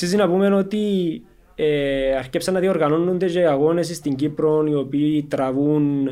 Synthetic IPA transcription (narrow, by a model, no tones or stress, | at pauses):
sis̬inapumenot̪i | eaɾcepsanːaðioɾɣanonːund̪eʒeiaɣo̞nes̬ist̪iɲɟipɾoniopiːt̪ɾavun